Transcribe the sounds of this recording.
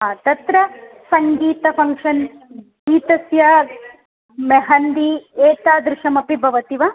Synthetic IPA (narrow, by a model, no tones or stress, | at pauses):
ɦaːt̪ɐt̪ɾɐ | sɐŋɡiːt̪ɐpʰɐŋkʂɐn | ɡiːt̪ɐsjɐ | meɦɐnd̪ieːt̪aːd̪ɾɪʃɐmɐpibʱɐʋɐt̪iʋɐ